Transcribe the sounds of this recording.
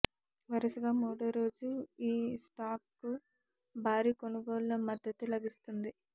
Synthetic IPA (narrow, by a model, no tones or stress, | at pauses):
ʋɐɾɐsuɡaːmuːɽɐɾo̞ːd͡ʒuiːsʈaːp̚ku | bʱaːɾiːkonuɡoːlunɐmɐd̪ːɐt̪ulɐbist̪und̪i